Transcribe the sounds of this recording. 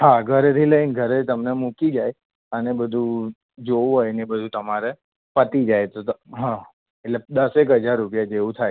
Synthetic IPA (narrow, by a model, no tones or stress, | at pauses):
ɦaɡʱəɾet̪ʰiləɦinɡʱəɾet̪əmnemukid͡ʒaj | ənebəd̪ʱu | d͡ʒoũɦojnebəd̪ʱut̪əmaɾe | pət̪id͡ʒajt̪oɦã | eʈled̪əsekɦəd͡ʒaɾːupjad͡ʒeʋũt̪ʰaj